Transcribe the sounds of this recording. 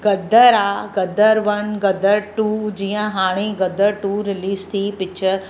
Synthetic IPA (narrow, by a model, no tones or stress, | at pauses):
ɡɐd̪əɾaːɡɐd̪əɾʋɐnɡɐd̪əɾʈuːd͡ʑiːə̃ɦaːɽ̃iɡəd̪əɾʈuːɾɪliːst̪ʰipɪt͡ʃʰəɾ